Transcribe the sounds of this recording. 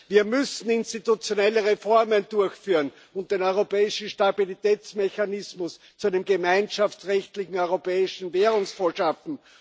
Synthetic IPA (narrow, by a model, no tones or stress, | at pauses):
viːɐmʏsn̩ɪnstitut͡sjonɛləʁefɔɐməndʊɐçfyːʁən | ʊnt̚d̥eːnɔʏʁopɛːɪʃn̩ʃtabilitɛːt͡smeçanɪsmʊs | t͡suæɪnəmɡəmaɪnʃaft͡sʁɛçtlɪçŋ̩ɔʏʁopɛːɪʃn̩veːʁʊŋsfoːɐʃafn̩